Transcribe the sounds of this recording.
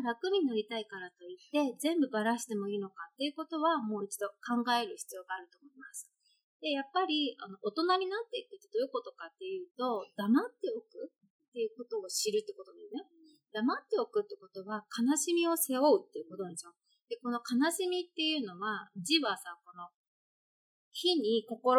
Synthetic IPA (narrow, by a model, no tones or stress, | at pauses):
ɾakɯ̟mʲiinoɾʲit̪aikaɾat̪o̞it̪ːe̞d͡zẽ̞mbɯ̟baɾaɕi̥t̪e̞mo̞iːno̞kat̪ːe̞jɯ̟ko̞t̪o̞βamo̞ːit͡ɕi̥d̪o̞kãŋɡae̞ɾɯ̟çi̥t͡sɨjo̞ːɡaːɾɯ̟t̪o̞ːmo̞imasɨ̥ | d̪̥e̞japːaɾʲia̰no̞ʔot̪o̞naɲ̟inat̪ːe̞ikɯ̟t̪ːe̞d̪o̞jiko̞t̪o̞kat̪ːe̞jɯ̟ːt̪o̞d̪̥amat̪ːe̞o̞kɯ̟ | tt̪ːe̞jɯ̟ko̞t̪o̞ːɕiɾɯ̟t̪ːeko̞t̪onanne | d̪̥amat̪ːe̞o̞kɯ̟t̪ːeko̞t̪o̞βakanaɕimʲio̞se̞o̞ɯ̟t̪ːe̞jɯ̟kot̪onad̪eɕo | d̪̥e̞ko̞no̞kanaɕimʲit̪ːe̞jɯ̟ːno̞βad͡ʑiβasãŋko̞no̞ | çiɲ̟iko̞koɾ